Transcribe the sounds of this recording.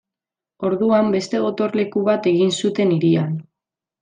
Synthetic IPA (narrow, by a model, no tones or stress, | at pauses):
o̞ɾðuambe̞st̪e̞ɣo̞t̪o̞ɾle̞kuβ̞at̪e̞ɣinsut̪e̞niɾian